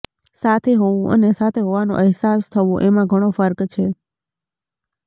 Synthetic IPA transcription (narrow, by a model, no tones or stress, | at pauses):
sat̪ʰeɦoʋũʔə̰nesat̪ʰeɦoʋanõ̰ʔɪɦsast̪ʰəʋõʔemãɡʱəɽ̃ofəɾkt͡ʃʰe